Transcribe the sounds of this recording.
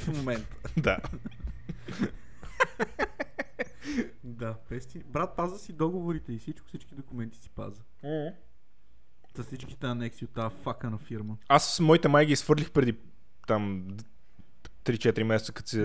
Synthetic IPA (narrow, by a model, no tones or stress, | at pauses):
fmomɛnt̪ə̥d̪a | d̪abɛst̪ibɾat̪̚pazəsid̪ɔɡovoɾit̪ɛifsit͡ʃkʊ̥fsit͡ʃkid̪okʊmɛnt̪i̥si̥pa̰zə | z̥ɐsit͡ʃki̥t̪ɛɐnɛksiot̪ːafakənɐfiɾməasmɔit̪ɛmajɡʲiːsxfvɤɾdlʲixpɾɛd̪i | t̪am | t̪ɾit͡ʃɛt̪ɾimɛsɛt̪səkət̪sɛ